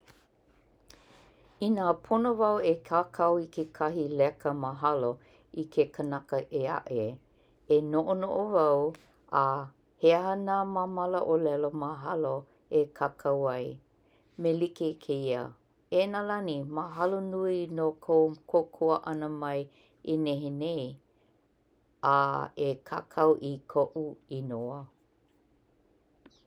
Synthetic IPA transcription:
inaːpʰonovɐwekʰakʰawikʰekʰɐɦilɛkəməɦɐlo | ikʰekʰənɐkəʔea̰ʔe | enoʔonoʔovɐw | a | heɦənamamɐləʔolɛloməɦɐlo | ekʰakʰawɐj | melikekʰeiə̰ | enalɐnimaɦɐlonuinokʰokʰokʰoəʔɐnəmɐj | eneɦenej | aekʰa̰kʰɐwʔikʰoʔuinoə

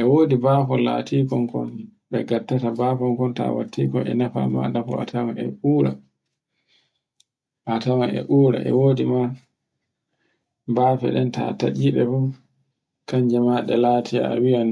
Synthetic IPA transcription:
ʔɛwoːdibaːfɔla̰ːtʰiːkɔŋkɔn | bɛɡatːatabafɔŋkɔnta̰watːikɔʔɛ̰nafa̰ma̰ɗafɔa̰tawanɛ̰ʔuːɾa̰ | ʔatawanɛ̰ʔuːɾa̰ʔɛ̰woːdima | baːfɛ̰ɗɛnta̰tad͡ʒiɗɛbɔ | kaɲd͡ʒɛmaɗɛlaːtʰija̰a̰wijan

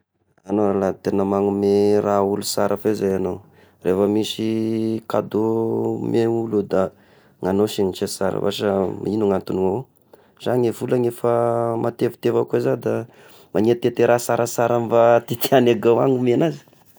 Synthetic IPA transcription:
anoalat̪enəmaŋumeɾaulusaɾʔafezajanow | rʔefəmisika̰d̪omʔeulud̪a | ŋanoʃinit͡ʃesaɾə̰va̰ʃəmainuŋant̪uniaw | z̥aŋefulaŋefəmʔat̪evu̥t̪evakuezad̪a | mʔaɲiat̪et̪eɾasaɾʔasaɾamvat̪it̪ianaɡawaŋumenazi̥

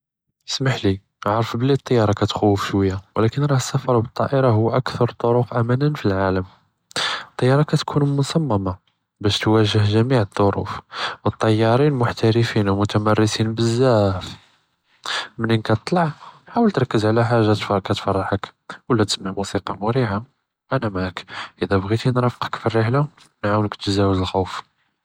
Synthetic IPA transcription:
əsmaħli | ʕɑɾˤəfblːit̪ˤːɑjːɑɾˤɑkæt̪xuːfʃwəjːawlækənɾˤɑhəsːæfɑɾˤbət̪ˤːɑ̰ʔəɾɑɦʊːʔækt̪ɑɾˤt̪ˤːoɾʊqʔæmænənfilʕaləm | t̪ˤːɑjːɑɾˤɑkæt̪kʰunmʊsæmːæma | bæʃt̪wæʒəhʒæmiʕəd̪ˤːoɾṵfwət̪ˤːɑjːɑɾˤinlmʊħt̪æɾəfinwmʊt̪æmærːəsinbəzːæf | mənənkæt̪t̪ˤlɑʕnħawəlt̪ɾˤɑkːəzʕlæħaʒːat̪fɑɾˤkæt̪fɑrˤːɑħəkwlæt̪ə̥smaʕmusiqɑmʊɾiha | ʔænæmækʔəd̪æbɣit̪inɾˤɑfqə̥kfirːəħla | nʕawənləkt̪zæwəzəlxuwf

